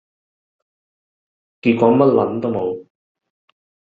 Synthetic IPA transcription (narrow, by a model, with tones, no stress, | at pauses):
kiː˨˧t̚kʷɔː˨˥mɐ˥t̚lɐ̰˨˥nt̪o˥wmo˨˧w